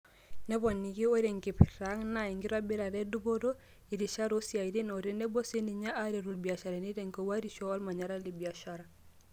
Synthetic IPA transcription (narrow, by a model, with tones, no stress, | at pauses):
nɛ˦βɔ˨nːi˨ɡi˦o˦ɾe˨ŋki˨pɾa˨˦ŋna˨i˨ŋɡi˦ɾa˦bi˦ɾa˨ɾɛ˦du˦bo˦ɾo˦ | i˨ɾi˨ʃa˦ɾo˦si˦a˨i˨ɾi˦no˨ɾi˦nɛ˦bo˦se˦ni˨ɲa˦ʔa˦ɾe˨ɾu˨lbi˨a˨ʃa˨ɾa˨ni˦ɾe˨ŋko˨wa˦ɾi˦ʃɔ˦ɔ˦lma˨ɲa˨ɾa˦li˨bi˨a˨ʃa˦ɾa˨